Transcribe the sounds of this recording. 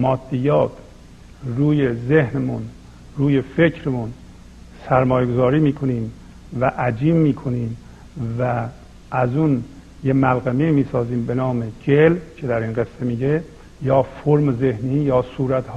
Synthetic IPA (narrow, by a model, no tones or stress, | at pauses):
mɒːd̪̥ːijɒːt̪ʰ | ruːjezehnemun | ruːje̞fe̞cʰɾemun | sæɾmɒːjeɡozɒːɾiːmiːkʰo̞niːm | væʔæd͡ʒiːmːiːkʰo̞niːm | væ | ʔæzun | jemælɣæmeimiːsɒːziːmbe̞nɒːmed͡ʒelcʰe̞d̪æɾinɢesːemiːɟe | jɒːfoɾmze̞hniːjɒːsuːɾæt̪hɒː